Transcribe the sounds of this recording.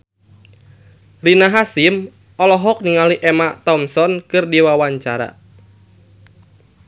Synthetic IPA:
rinaɦasim | ʔɔlɔɦɔk̚niŋaliʔɛmat̪ɔmsɔnkɨrdiwawaɲt͡ʃaɾa̰

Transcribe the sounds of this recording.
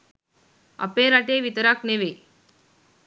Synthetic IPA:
ə̰peɾaʈeʋit̪əɾakneʋe

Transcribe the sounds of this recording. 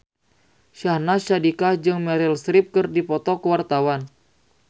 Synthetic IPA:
ʃahnaʃadikad͡ʒɨŋmɛɾilsɾip̚kɨrdipɔt̪ɔkəwart̪awan

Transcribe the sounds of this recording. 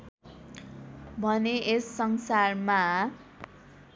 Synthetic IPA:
bʱʌneʔesːʌŋsarma

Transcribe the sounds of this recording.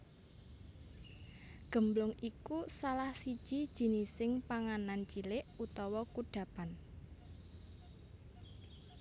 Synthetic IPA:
ɡ̥ə̤mblʊŋikusalahsid̥ʒ̥id̥ʒ̥i̤nisɪŋpaŋanant͡ʃilɪʔut̪ɔwɔkuɖ̥ä̤pan

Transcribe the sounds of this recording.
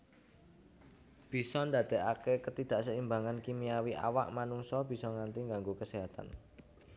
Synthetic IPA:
b̥i̤sɔnd̪a̤d̪̥e̤ʔakekət̪id̪̥a̤ʔsəimbaŋankimiawiʔa̰waʔmanuŋsɔb̥i̤sɔŋant̪iŋɡaŋɡokəseɦat̪a̰n

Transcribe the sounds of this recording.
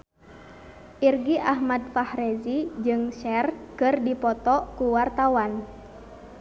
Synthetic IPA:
ʔirɡiʔahmad̚fahɾezid͡ʒɨŋʃɛrkɨrdipɔt̪ɔkuwart̪awan

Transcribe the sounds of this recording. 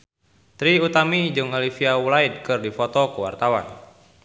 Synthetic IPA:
t̪ɾiut̪amid͡ʒɨŋɔlifiaulaid̪̚kɨrdifɔt̪ɔkəwa̰rt̪awa̰n

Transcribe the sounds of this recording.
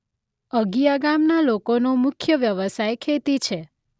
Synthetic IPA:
əɡijaɡamnalokonomʊkʰjəʋjəʋəsajkʰet̪it͡ʃʰe

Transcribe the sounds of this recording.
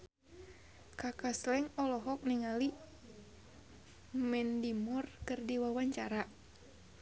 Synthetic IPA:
kakaslɛŋɔlɔɦɔk̚niŋali | mɛndimɔrkɨrdiwawaɲt͡ʃaɾa

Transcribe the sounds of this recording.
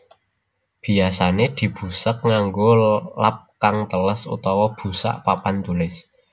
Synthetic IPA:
b̥i̤asaned̪̥i̤b̥ṳsək̚ŋaŋɡolap̚kaŋt̪ələsṵt̪ɔwɔb̥ṳsa̰ʔpapant̪ulɪs

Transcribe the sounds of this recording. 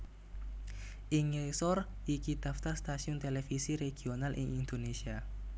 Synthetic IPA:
ʔiŋesɔrʔikid̪̥aft̪arst̪asiʊnt̪elefisiɾeɡ̥ionalʔɪ̰ŋind̪onesia

